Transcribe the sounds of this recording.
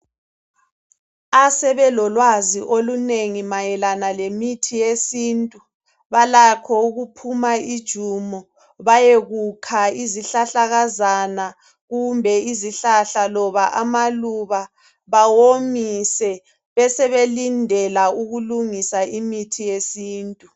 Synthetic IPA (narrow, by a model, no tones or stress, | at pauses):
asɛβɛlɔlwaziʔoluneŋimajɛlanalemitʰijesiːntʼu | βalakʰɔuɣupʰumaid̥ʒ̥ʱumɔ | βajeɣukʰaiziɬaɬaɣazana | ɣumbʱɛiziɬaɬalɔβaʔamaluβa | βawomisɛ | βɛsɛβelindʱɛlauɣuluŋisaʔimitʰijesiːntʼu